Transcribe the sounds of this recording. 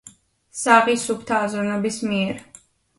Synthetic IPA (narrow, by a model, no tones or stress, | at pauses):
saʁisupʰt̪ʰaːzɾɔnɛbismiɛɾ